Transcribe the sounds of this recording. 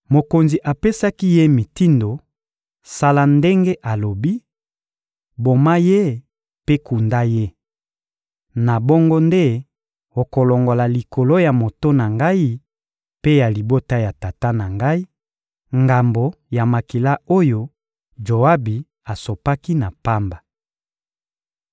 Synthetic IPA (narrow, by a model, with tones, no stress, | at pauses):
mo˨ko˨nzi˨ʔa˨pe˦sa˦ki˦je˦mi˨ti˦ndo˨ | sa˦la˦nde˦ŋɡe˦ʔa˨lo˨bi˦ | bo˨ma˦je˦ | pe˦ku˨nda˦je˦ | na˨bo˦ŋɡo˦nde˦ | o˨ko˨lo˨ŋɡo˨la˨li˨ko˨lo˦ja˨mo˨to˦na˨ŋɡa˦i˦ | pe˦ja˨li˨bo˦ta˦ja˨ta˨ta˦na˨ŋɡa˦i˦ | ŋɡa˨mbo˨ja˨ma˨ki˨la˦o˦jo˦ | d͡ʒo˨a˦bi˨ | a˨so˨pa˦ki˦na˨pa˦mba˨